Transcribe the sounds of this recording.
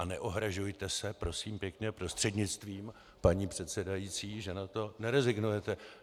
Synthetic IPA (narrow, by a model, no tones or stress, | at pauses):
anɛʔoɦɾaʒujt̪ɛsɛpɾo̞siːmpjɛkɲɛpɾo̞st̪r̝̥ɛdɲɪt͡st̪viːm | paɲiːpr̝̥ɛt̪sɛdajiːt͡siːʒɛnat̪o̞nɛɾɛzɪɡnujɛt̪ɛ